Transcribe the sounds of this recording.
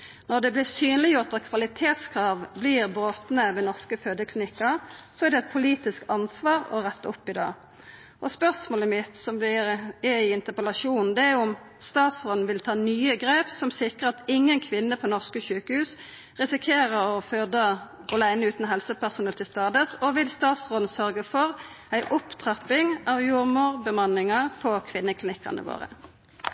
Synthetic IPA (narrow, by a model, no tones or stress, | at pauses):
nɔʁd̪ɛblɪʁsyːnlɪjʊʁt̪ɑt̪kʰʋɑlɪt̪ʰeːt̪skʰʁɑːʋbliːʁbɾoːt̪nəʋɛːnɔʁskəføːd̪əkʰlɪnɪkːɑʁsɔæʁd̪ɛɛt̪̚pʰʊliːt̪ɪskɑnsʋɑːʁɔ̰ʁɛt̪ːəɔpːɪd̪ɑ̰ː | ʔɔspœʁsmoːləmɪt̪sɔmblɪʁɛɪɪnt̪əpəlɑʃuːnn̩d̪ɛæʊm | st̪ɑːt̪sʁoːd̪n̩ʋɪlt̪ʰɑːnyːəɡʁeːpsɔmsɪkʁəʁɑt̪ɪŋːənkʰʋɪnːəpʰɔnɔʁskəʃʉːkəhʉːs | ʁɪsɪkʰeːʁəʁɔfød̪ə | ɔlæɪnəʉːt̪n̩ɦɛlsəpʰæʁsʊnɛlt̪ʰɪst̪ɑːd̪əsɔʋɪlst̪ɑːt̪sʁoːd̪n̩sœʁɡəfɔʁ | æɪʔʊpt̪ʰʁɑpːɪŋɑʋjuːʁmʊːʁbəmɑnːɪŋɑpʰɔkʰʋɪnːəkʰlɪnɪkːɑ̰ʁnə̰ʋo̰ːʁə̰